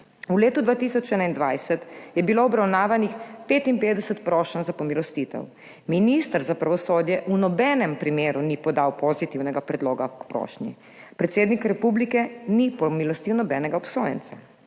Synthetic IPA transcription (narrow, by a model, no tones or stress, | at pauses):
uleːt̪ud̪ʋaːt̪isɔt͡ʃɛnaind̪ʋajsɛt̪jɛbiloɔbɾawnaːʋanixpeːt̪impeːd̪ɛsət̪pɾɔːʃənzapɔmilɔst̪it̪ɛ̰w | minist̪əɾzapɾaʋɔsoːd̪jɛʔunɔbɛːnɛmpɾimeːɾunipɔd̪awpɔzit̪iwnɛɡapɾɛd̪loːɡakpɾɔ̰ːʃnḭ | pɾɛt̪seːd̪nikɾɛpublikɛnipɔmilɔst̪iwnɔbɛnɛɡaɔpsoːjɛ̰nt̪sa